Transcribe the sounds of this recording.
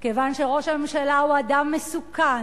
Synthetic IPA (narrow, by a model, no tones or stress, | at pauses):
kevanʃeʁo̞ʃame̞mʃalauadamːesukan